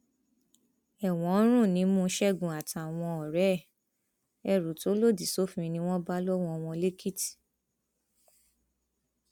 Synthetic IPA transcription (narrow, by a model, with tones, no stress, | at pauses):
ɛ˨w̃ɔ̃˨˦ɾ̃ũ˦˨nĩ˨˦mũ˦ʃɛ˦˨ɡũ˨a˨ta˨w̃ɔ̃˧ɔ˨ɾɛ˨˦˨ | ɛ˧˨ɾu˨to˨˦lo˦˨di˨so˦fĩ˧˦˧nĩ˧˦w̃ɔ̃˦ba˦lɔ˦w̃ɔ̃˧˦ɔ˧w̃ɔ̃˧le˦ki˦ti̥˨